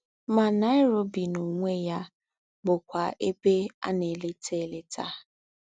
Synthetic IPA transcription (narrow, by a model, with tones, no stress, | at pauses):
ma˨na˦ɪ˦ɾo˦bi˨no˨ŋʷe˦ja˦ | ɡ͡bʊ˨kʷa˨ʔe˦be˦a̰˦ne˨le˦tʰe˦˨le˦tʰa˦